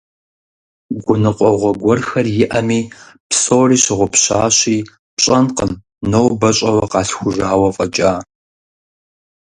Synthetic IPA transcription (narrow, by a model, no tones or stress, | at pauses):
ɡʷʊnɨqʷʼɔʁʷɔɡʷɔrxɐrjɪʔɐmiː | psoːriːɕɪʁʷʊpɕaːɕiː | pɕʼɐnqəm | nowbɐɕʼɐwɐqɑːɬxʷʊʒaːwɐfʼɐt͡ʃʼaː